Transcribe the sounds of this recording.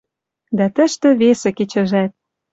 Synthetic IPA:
d̪æt̪ə̆ʃt̪ĕβesĕket͡ɕə̆ʒæt̪̚

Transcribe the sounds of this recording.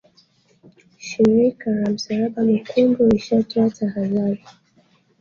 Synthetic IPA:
ʃiɾikaɾam̩saɾaɓamikʰunɡɔiʃatɔatʰahaðaɾi

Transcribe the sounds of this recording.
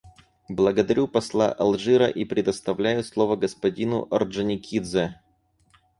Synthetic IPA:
blˠəɡəd̪ɐɾʲupɐslˠa̰ʔɐlˠʐɨɾə̰ʔipɾʲɪd̪əst̪ɐvlʲæjʊslˠovəɡəspɐdʲinʊ̰ʔɐrʐɨnʲɪkʲid̪zə

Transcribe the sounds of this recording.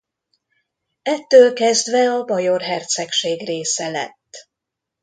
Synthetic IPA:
ɛt̪ːøːlkɛzd̪ʋɛɒbɒjo̞rɦɛrt̪sɛkʃeːɡreːsɛlɛ̰t̪ː

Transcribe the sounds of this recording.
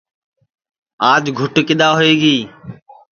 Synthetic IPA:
aːd͡ʒɡʱʊʈkɪɗ̪aːɦoeːɡiː

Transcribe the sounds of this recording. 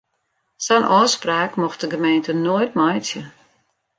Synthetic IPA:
sɛnʔɔːspraːkmɔxt̚dəɡəmeːntənoəjtmɔjt͡sjə

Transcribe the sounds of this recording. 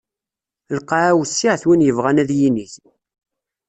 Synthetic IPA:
lqaʕæwsːiʕθwinjəvʁænæðjiniθ

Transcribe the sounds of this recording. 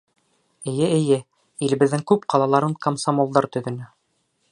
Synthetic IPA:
ɘ̆jɘɘ̆jɘ | ilɘ̆bɘ̆ðːɘŋkʉp̚qɑlˠɑlˠɑɾɤɴkɐmsamolˠd̪ɑɾt̪ɵ̆ðɵ̆nɘ

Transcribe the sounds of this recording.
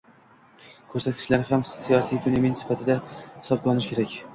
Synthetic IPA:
kʰɵɾsat̪kʰʲɪ̥ʃlaɾɪhamsijɒsijvenomensɪ̥fat̪ʰɪd̪ahɪ̥sɒb̚ɡʲɒnɪʃkʲʰe̞ɾakʲ

